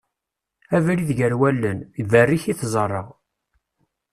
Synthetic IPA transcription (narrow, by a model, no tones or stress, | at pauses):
ævliðʝəɾwælːənvərːiçiθzˤərˤːə̰ʁ